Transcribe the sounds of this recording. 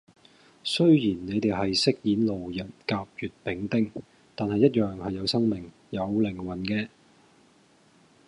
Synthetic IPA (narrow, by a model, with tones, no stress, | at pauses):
sɵ˥ɥjiː˨˩nːe˨˧jt̪e˨jɦɐ˨jsɪ˥k̚jiː˨˥nlo˨wjɐ˨˩nkaː˧p̚jyː˨t̚pɪ˨˥ŋt̪ɪ˥ŋ | t̪aː˨nhɐ˨jːɐ˥t̚jœː˨ŋhɐ˨jːɐ˨˧wsɐ˥ŋmɪ˨˩ŋ | jɐ˨˧wlɪ˨˩ŋwɐ˨˩nkɛː˧